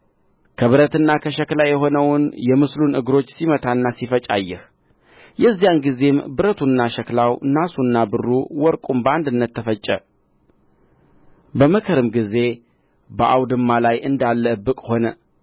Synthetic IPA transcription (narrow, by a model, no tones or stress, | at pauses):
kʰəβɨɾət̪ɨnːakʰəʃɛklajɛɦo̞nəwnjɛmɨslunɨ̰ɡɾo̞t͡ʃːsimət̪ʰanːasifət͡ʃʼa̰jːɛh | jɛzːijanɡize̞mbɨɾət̪ʰunːaʃəklawnːasunːabɨrːuwɔɾkʼumbəand̪ɨnːət̪ʰːəfət͡ʃʼːə | bəməkʰəɾɨmɡize̞ | bəʔawd̪ɨmːalajʔɨnd̪alːəɨbːɨkʼho̞nə